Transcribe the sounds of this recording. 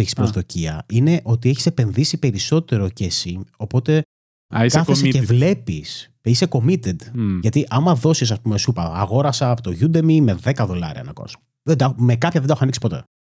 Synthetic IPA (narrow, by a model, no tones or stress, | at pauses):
eçi̥spɾozðo̞ciɐine̞ʔo̞t̪ieçi̥sepe̞nðisipe̞ɾiso̞t̪e̞ɾo̞cesio̞po̞t̪e̞ | iskɐθesecevle̞pis | eiseko̞mit̪ed̪ʝɐt̪iʔɐmɐðo̞sis̬ɐspumesupɐːɣo̞ɾɐsɐːpot̪oʝud̪emime̞ðe̞kɐðo̞lɐ̰ɾiɐ̰nɐko̰s | ðed̪ɐxmekɐpçɐðenɐxuɐniksipo̞t̪e̞̰